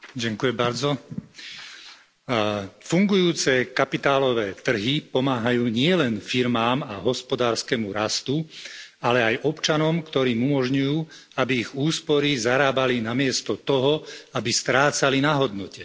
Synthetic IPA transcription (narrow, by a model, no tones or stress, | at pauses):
ɟaŋkujɛmbaɾd͡zɔ | fuŋɡujuːt͡sɛkapit̪aːlɔʋɛːt̪r̩ɦipɔmaːɦajuːɲɪɛlɛnfiɾmaːmaɦɔspɔd̪aːɾskɛmuɾast̪ualɛajʔɔpt͡ʃanɔmkt̪ɔɾiːmumɔʒɲujuː | abiːɣuːspɔɾizaɾaːbalinamɪɛst̪ɔt̪ɔɦɔabist̪ɾaːt͡salinaɦɔd̪nɔcɛ